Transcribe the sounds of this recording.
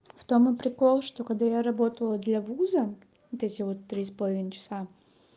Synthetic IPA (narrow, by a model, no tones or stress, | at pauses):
ft̪omɨpɾʲɪko̞lˠʂt̪o̞kɐɡ̚d̪ajaɾɐbo̞t̪əlˠəd̪lʲɐvuzə | vot̪ɛtʲɪvo̞t̪ːɾʲispɐlˠɐvʲint͡ɕɪ̥sa